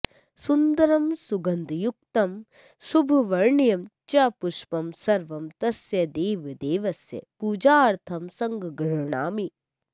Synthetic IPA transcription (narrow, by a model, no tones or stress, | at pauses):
sund̪ɐɾɐmsuɡɐnd̪juk̚t̪ɐm | subʱɐʋɐɾɳijɐmt͡ʃɐpuʃpɐmsɐɾʋɐmt̪ɐsjɐd̪eːʋid̪eːʋɐsjɐ̰puːd͡ʒaːɾt̪ʰɐmsɐŋɡɡɾɐɳa̰ːmi